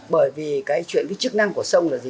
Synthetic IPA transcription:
ɓəː˧˩jvi˨˩kaː˨˦jt͡ɕwḭ˧˨ənkaː˨˦t͡ɕɨ˦˥k̚na˧ŋku˧˩əsə˧wŋ͡mlaː˨˩zi˨

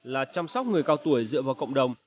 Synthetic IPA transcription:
laː˨˩t͡ɕɔ˧wmsɔ˦˥wk͡p̚ŋɨ˨˩əjkaː˧wt̪u˧˩əjzɨ̰˧˨əvaː˨˩wkə̰˧˨wŋ͡mɗə˨˩wŋ͡m

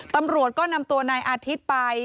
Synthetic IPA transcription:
t̪a˧mɾu˨˩ət̪̚kɔː˥˩na˧mt̪u˧ɐnaː˧jʔaː˧t̪ʰi˦˥t̪̚pa˧j

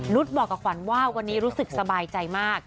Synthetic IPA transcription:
nu˦˥t̪̚bɔː˨˩kːa˨˩kʰwa˨˩˦nwaː˥˩wwa˧nːiː˦˥ɾuː˦˥sɯ˨˩k̚sa˧baː˧jt͡ɕa˧jmaː˥˩k̚

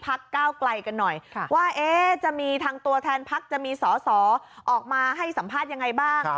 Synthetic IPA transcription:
pʰa˦˥kːaː˥˩wkla˧jka˧nːɔ˨˩jʰwaː˥˩ʔeː˦˥t͡ɕa˨˩ʔmiː˧t̪ʰaː˧ŋt̪u˧ɐt̪ʰɛː˧npʰa˦˥k̚t͡ɕa˨˩ʔmiː˧sɔː˩˦sɔː˩˦ʔɔː˨˩k̚maː˧ɦa˥˩jsa˩˦mpʰaː˥˩t̪̚ja˧ŋːa˧jbaː˥˩ŋ

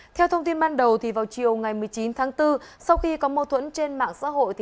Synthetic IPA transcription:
t̪ʰɛ˧wt̪ʰə˧wŋ͡mt̪i˧nɓaː˧nɗə˨˩wt̪ʰi˨˩vaː˨˩wt͡ɕi˨˩əwŋa˨˩jmɨ˨˩əjt͡ɕi˨˦nt̪ʰaː˨˦ŋt̪ɨ˧sa˧wxi˧kɔ˨˦mo˧t̪ʰwə̰˧˥nt͡ɕe˧nma̰ː˧˨ŋsa̰ː˧˥ɦo̰˧˨jt̪ʰ

